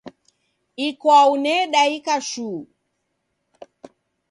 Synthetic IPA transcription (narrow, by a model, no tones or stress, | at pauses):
ikwaunɛɗaikaʃuː